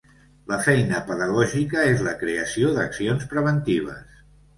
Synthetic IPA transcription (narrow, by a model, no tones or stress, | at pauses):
ləfɛjnəpəðəɣɔʒikəezləkɾeəsioðəksionspɾəβənt̪iβ̞ə̰s